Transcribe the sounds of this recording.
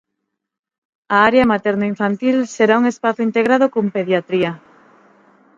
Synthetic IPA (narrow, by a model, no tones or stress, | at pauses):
aaɾeamat̪ɛɾnaiɱfant̪ilseɾauŋespaθʊint̪eɣɾað̞okompeðjat̪ɾiɐ